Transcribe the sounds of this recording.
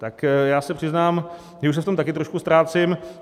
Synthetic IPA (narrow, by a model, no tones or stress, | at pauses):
t̪akjaːsɛpr̥ɪznaːm | jɛuʃsɛft̪o̞mt̪akɪt̪ɾoʃkust̪ɾaːt͡sɪm